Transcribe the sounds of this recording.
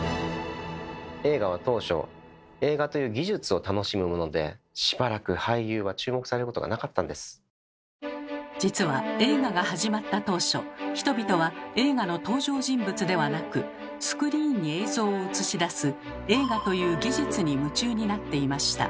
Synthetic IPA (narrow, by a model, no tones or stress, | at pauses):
e̞ːɡaβat̪o̞ːɕo̞̰ | e̞ːɡat̪o̞jɯ̟ːɡʲiʑɨt͡sɨo̞t̪ano̞ɕimɯ̟mo̞no̞d̪e̞̰ɕi̥baɾakɯ̟haijɯːβat͡ɕɨːmo̞kɯ̟saɾeɾɯkot̪oɡa̰nakat̪ːãnd̪e̞sɨ̥ | d͡ʑit͡sɨβae̞ːɡaɡahaʑimat̪ːat̪o̞ːɕo̞̰çi̥t̪o̞bʲit̪o̞βae̞ːɡano̞t̪o̞ːʑo̞ːʑĩmbɯ̟t͡sɨd̪e̞βanakɯ̟ | sɨ̥kɯ̟ɾʲiːɲ̟ːie̞ːzo̞ːoɯt͡sɨɕid̪asɨ | e̞ːɡat̪o̞jɯ̟ːɡʲiʑɨt͡sɨɲ̟imɯ̟t͡ɕɨːɲ̟inat̪ːe̞imaɕi̥t̪a̰